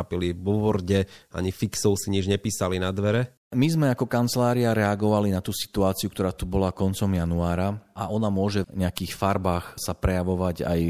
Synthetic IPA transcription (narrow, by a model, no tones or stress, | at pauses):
apiliʋɔʋɔɾɟɛʔa̰ɲifiksɔʊsiɲid͡ʒɲɛpiːsalinad̪ʋɛɾɛ | mizmɛakɔkant͡slaːɾiaɾɛaɡɔʋalinat̪uːsi̥t̪uaːt͡siukt̪ɔɾaːt̪ubɔlakɔnt͡sɔmjanuaːɾaaʔɔnamʊɔʒɛɲɛakiːxfaɾbaːxsapɾɛjaʋɔʋaɟa̰j